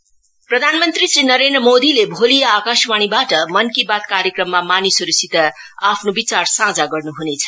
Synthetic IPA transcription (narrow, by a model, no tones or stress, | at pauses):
prʌd̪ʱanmʌnt̪risrinʌɾend̪rʌmod̪ilebʱolijaːkasmaɽ̃ibaʈʌmʌnkibat̪kaɾjʌkrʌmːamanisʌɾusit̪ʌapʰnobit͡sarsãd͡zaɡʌrnuɦunet͡sʰʌ̥